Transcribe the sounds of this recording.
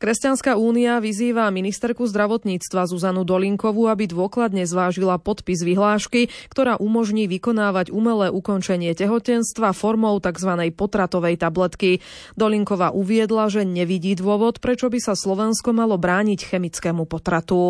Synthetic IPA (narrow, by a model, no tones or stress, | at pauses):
kɾɛscanskauːniaʋiziːʋaminist̪ɛɾkuzd̪ɾaʋɔt̪ɲiːt͡st̪ʋazuzanud̪ɔliŋkɔʋuabid̪ʋʊɔklad̪ɲɛzʋaːʒilapɔt̪pizʋiɦlaːʃkikt̪ɔɾaːʔumɔʒɲiːʋikɔnaːʋaɟumɛlɛːʔukɔnt͡ʃɛɲɪɛcɛɦɔcɛnst̪ʋafɔɾmɔʊt̪aɡzʋanɛjpɔt̪ɾat̪ɔʋɛjt̪ablɛt̪ki | d̪ɔliŋkɔʋaːʔuʋɪɛd̪laʒɛɲɛʋiɟiːd̪ʋʊɔʋɔt̪pɾɛt͡ʃɔbisaslɔʋɛnskɔmalɔbɾaːɲicxɛmit͡skɛːmupɔt̪ɾat̪u